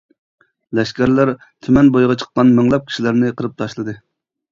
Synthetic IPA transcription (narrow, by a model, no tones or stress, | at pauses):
lɛʃkʲæɾlæɾ | t̪ʰymɛnbojʁɑt͡ʃʰə̥q̚ːɑnmɪŋlˠɛp̚kʲʰi̥ʃilæɾnɪqʰəɾɨp̚t̪ʰɑʃlˠɨd̪ɨ